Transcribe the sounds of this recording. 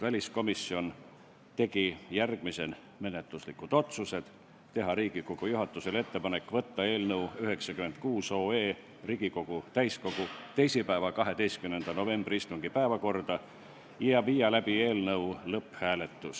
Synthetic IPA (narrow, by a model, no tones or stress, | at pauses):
vælʲisko̞misːio̞n | t̪e̞ɡ̥ijærɡ̥mise̞n | me̞net̪luslikːˑud̪̥o̞t̪suse̞d̪̥ | t̪ːe̞ɦɑɾiːɡ̥ikoɡ̥ujuɦɑt̪ːˑuse̞le̞t̪ːe̞pɑne̞kːˑvɤ̞t̪ːɑe̞ːlnɤwyɦe̞ksɑkyment̪̚kuːso̞ːe̞ː | riːɡ̥iko̞ɡ̥ut̪æjsko̞ɡ̥ut̪e̞jsipæevɑkɑɦe̞d̪e̞jst̪kymnend̪̥ɑno̞ve̞mb̥riist̪uŋɡ̥ipæevɑko̞rd̪̥ɑ | jɑviːjɑlæb̥ie̞ːlnɤulɤpːhæːle̞t̪ːus